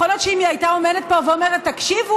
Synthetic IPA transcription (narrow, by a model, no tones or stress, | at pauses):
olot̪ʃeimiajt̪aomedet̪̚boveomeʁet̪ːakʃivu